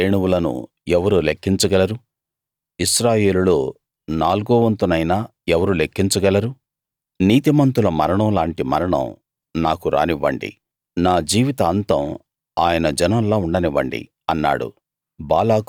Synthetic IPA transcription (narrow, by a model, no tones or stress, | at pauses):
eːɳuwulɐnṵ | ɛʋɐɾuːlekʰːiɲt͡ʃuɡɐlɐɾu | iʃɾaːje̞ːlulo̞ː | naːluɡoːʋɐnt̪unɐjnaː | ɛʋɐɾulekʰːiɲt͡ʃuɡɐlɐɾu | niːt̪imɐnt̪ulɐmɐɾɐɳɐ̃wlaːɳʈimɐɾɐɳɐ̰̃w | naːkuɾa̰ːniʋːɐ̰ɳɖḭ | naːd͡ʒiːʋit̪ɐːnt̪ɐ̰m | aːjɐnɐd͡ʒɐnɐmloːuɳɖɐniʋɐ̰ɳɖḭ | ɐnːa̰ːɽṵ | baːlaːk